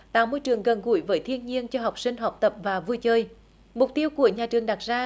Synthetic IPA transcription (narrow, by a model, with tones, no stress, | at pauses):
t̪a̰ː˧˨˦mo˧jt͡ɕɨ˨˩əŋɣə˨˩nɣṵ˧˩˦jvəː˨˦jt̪ʰi˧ənɲi˧ənt͡ɕɔ˧ɦa˨˩wk͡p̚sï˧ŋ̟ɦa˨˩wk͡p̚t̪ə˨˩p̚vaː˨˩vu˧jt͡ɕəː˧j | mʊ˨˩k͡p̚t̪i˧əwku˧˩əɲaː˨˩t͡ɕɨ˨˩əŋɗa˨˩t̚zaː˧